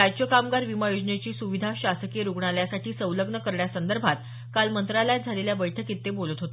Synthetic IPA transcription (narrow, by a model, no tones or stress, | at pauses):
ajt͡ɕəkamɡaɾʋimajod͡zɳet͡ɕiːsuʋid̪ʱaɕasəkeɾuɡɳaljasaʈiːsəwləɡɳəkəɾɳjasənd̪əɾbʱat̪ | kalmənt̪ɾalajd͡zʱaleljaʋəjʈʰəkit̪ːebolət̪ɦot̪